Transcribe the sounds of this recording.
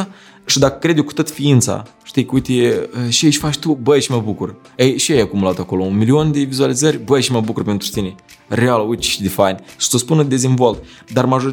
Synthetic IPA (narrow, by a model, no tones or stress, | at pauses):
ʃid̪akə̥kɾed̪joku̥t̪o̞t̪fiint̪sa̰ʃt̪ijkəujt̪eəʃieʃʲfat͡ʃt̪ubəjʃiməbukur | ejʃiajakumulat̪ako̞lo̞unmilio̞nd̪evizualizərʲbəʃiməbukurpe̞nt̪ɾut̪ine | realut͡ʃʃid̪efajnʲʃɨ̥səspunəd̪e̞zinvo̞lt̪ | d̪armaʒoɾi